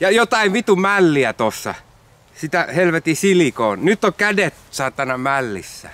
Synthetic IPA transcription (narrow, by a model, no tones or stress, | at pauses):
jɑjot̪ɑiʋʋit̪umælːiæt̪osːɑ̰ | sit̪æhelʋet̪isilikoːnnyt̪ːokædet̪sɑːt̪ːɑnɑmælːḭsːæ̰